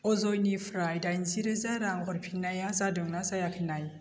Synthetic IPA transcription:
ozoinifɾajdanziɾezaɾaŋxuɾpʰinajasadəŋnasajakʰənaj

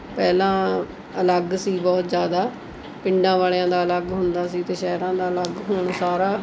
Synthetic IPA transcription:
pɛːlãː | ələɡsiːbɔːt̪zjaːd̪aː | pɪ̃ɳɖãːʋaːlejãːd̪aːələɡɦʊnd̪aːsiːt̪eːʃɛːɾãːd̪aːələɡɦoːɳsaːɾaː

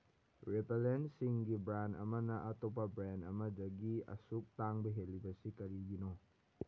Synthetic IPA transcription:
ɾepelensiŋɡibɾanɐ̰mɐnɐʔɐtop̬ɐbɾanɐ̰mɐdɐɡiɐ̰suk̚taŋbɐɦelːibɐsikɐɾiɡino

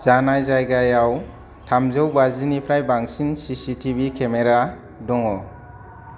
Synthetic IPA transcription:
z̥anajzajɡajaw | tʰamzɔwbazinipʰɾajbaŋsinsisitʰibikʰemeɾa | dɔŋɔ

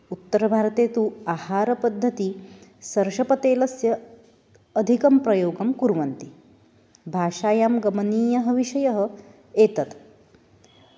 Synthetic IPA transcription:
ut̪ːɐɾɐbʱaːɾɐt̪eːt̪uːaːhaːɾɐpɐd̪ʱːɐt̪isɐɾʃɐpɐt̪eːlɐsjɐː | d̪ʱikɐmpɾɐjoːɡɐmkuɾʋɐnt̪i | bʱaːʃaːjaːmɡɐmɐniːjɐɦɐ̆ʋiʃɐjɐɦɐ̆ | eːt̪ɐt̪

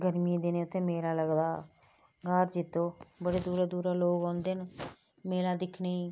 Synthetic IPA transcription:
ɡəɾmid̪enẽːʊt̪ʰːẽːmeːlaːləɡd̪aː | ɡaːɾd͡ʒɪt̪ːõːbəɽeːd̪uːɾaːd̪uːɾaːloːɡãːnd̪eːn | meːlaːd̪ɪkʰneːiː

